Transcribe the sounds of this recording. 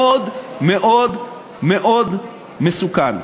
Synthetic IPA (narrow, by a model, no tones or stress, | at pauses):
od̪meʔod̪ | meʔod̪ | mesukan